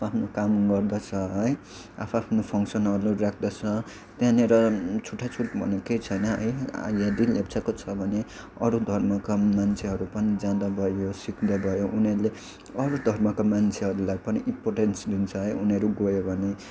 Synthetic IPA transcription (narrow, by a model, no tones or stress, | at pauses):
apʰapʰnokamɡʌrd̪at͡sʰʌɦʌj | a̰pʰapʰnopʰʌŋksʌnɦʌɾurakʰd̪at͡sʰʌ | t̪jãneɾʌt͡sʰuʈʰːat͡sʰuʈbʱʌ̰nekejt͡sʰʌjnʌɦʌ̰ja̰jad̪ilapt͡sʰakot͡sʰʌbʱʌne | ʌ̰ɾud̪ʱʌrmʌkamant͡sʰeɦʌɾupʌnid͡zãd̪abʱʌjosikd̪abʱʌjoʔunʌɾle | ʌɾud̪ʱʌrmʌkamant͡sʰeɦʌɾulajpʌniʔimporʈensd̪int͡sʰʌɦʌjunʌɾuɡojobʱʌne